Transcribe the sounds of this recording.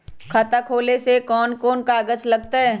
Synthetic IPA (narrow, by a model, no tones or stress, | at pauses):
kʰat̪akʰoːlesekɔːnkɔːnkaːɡət͡ʃlɐɡt̪aɦɛː